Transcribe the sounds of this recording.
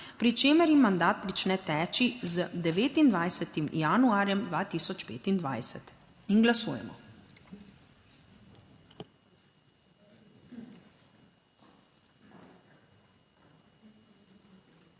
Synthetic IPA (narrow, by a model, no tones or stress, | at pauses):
pɾit͡ʃeːmɛɾjimːand̪aːt̪̚pɾit͡ʃnɛt̪ɛːt͡ʃizd̪ɛʋeːt̪ind̪ʋajsɛt̪imjanuaːɾjɛmd̪ʋaːt̪iːsɔt͡ʃpḛːt̪ind̪ʋa̰jsɛt̪ | inɡlasuːjɛ̰mɔ̰